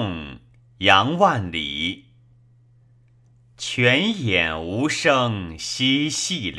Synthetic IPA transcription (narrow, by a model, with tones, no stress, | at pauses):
ŋ | jɑ˧˥ŋwa˥˩nlḭ˨˩˦ | t͡ɕʰɥɛ˧˥njɛ˨˩nu˧˥ʂɤ˥˧ŋɕi˥ɕi˥˩l